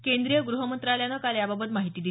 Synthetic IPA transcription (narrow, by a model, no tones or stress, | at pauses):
kend̪ɾijəɡɾuɦəmənt̪ɾaljanəkaljababət̪maɦit̪iːd̪i